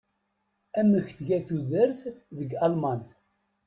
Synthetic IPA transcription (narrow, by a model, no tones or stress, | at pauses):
æmːəçθʝæθuðəɾθðəɡɑlman